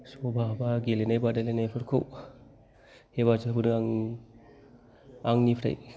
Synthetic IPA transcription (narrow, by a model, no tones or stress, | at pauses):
sobʱabaɡelenajbadalenajpʰɯɾkʰɯ̰w | hebad͡ʒɯbɯnɯŋaŋ | aŋnipʰɾa̰j